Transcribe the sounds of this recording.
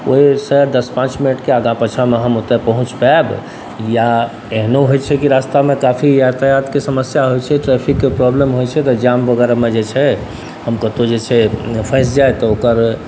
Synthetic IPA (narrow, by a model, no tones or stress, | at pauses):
ʔoɦisəɾd̪əspãt͡ʃminəʈkeaɡãpət͡ʃʰameɦəmot̪epəɦũt͡ʃpab | ja | eɦnoɦojt͡ʃʰɛkiɾast̪amekapʰijat̪əjat̪kesəməsjaɦojt͡ʃʰɛʈɾepʰikːepɾɔblemɦojt͡ʃʰɛt̪ɔd͡ʒambəɡɛɾamed͡ʒet͡ʃʰɛ | həmkət̪od͡ʒet͡ʃʰɛpʰə̃s̬d͡ʒajt̪ɔokəɾ